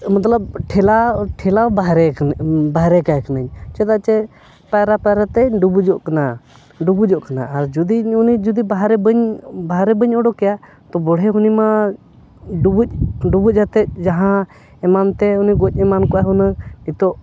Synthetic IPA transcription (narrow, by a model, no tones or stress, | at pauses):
mɐt̪ləb̚ʈʰɛlaʈʰɛlabaɦɾɛbaɦɾɛkaɛknəɲt͡ʃɛt̪at͡ʃɛ | pajɾapɛɾat̪ɛɖubud͡ʒɔʔkana | ɖubud͡ʒɔʔkana̰ːɾd͡ʒud̪iunid͡ʒud̪ibaɦɾɛbəɲbaɦɾɛbəɲɔɖɔkɛja | t̪ɔbɔɽ̤ɦɛɦunima | ɖubuc̚ʲɖubuc̚ɦət̪ɛt̪̚d͡ʒaɦã | ɛmant̪ɛuniɡoc̚ʲˀɛmankɔaɦunait̪ɔʔ